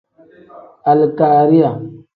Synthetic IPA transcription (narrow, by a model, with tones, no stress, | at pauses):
a˨lka˨ɾi˦a˨